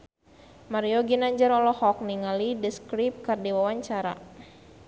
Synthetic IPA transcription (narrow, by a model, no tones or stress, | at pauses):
maɾioɡinaɲd͡ʒəɾɔlɔhɔk̚niŋalidəskɾip̚kardiwawaɲt͡ʃaɾa̰